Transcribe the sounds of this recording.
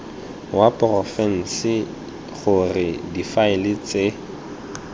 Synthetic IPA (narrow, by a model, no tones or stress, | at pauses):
wapʼrɔfɛn̩sɪ | χʊrɪdifaɪlɪt͡sʼe